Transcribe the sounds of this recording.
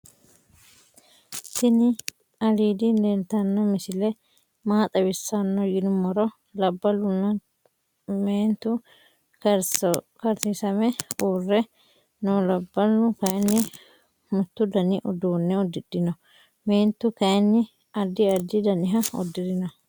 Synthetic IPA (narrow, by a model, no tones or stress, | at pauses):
sɪnɪ | ɐliːd̪inent̪ɐnːɔmɪsɪlɛ | maːt̪ʼɐwɪsːɐnːɔjɪnʊmɔɾɔ | lɐbːɐlʊnːɐ | meːnt̪ʊ | kɐɾsisɐmɛuːrːɛ | nɔːlɐbːɐlːʊkɐnːɪ | mʊt̪ːʊd̪ɐnɪʔɔd̪uːnːɛɔd̪ːɪdːɪnɔ | meːnt̪ːʊkɐɛnːɪ | ɐd̪ːɪɐɾd̪ɪd̪ɐnɪɦɐɔ̰d̪ːɪd̪ɪnɔ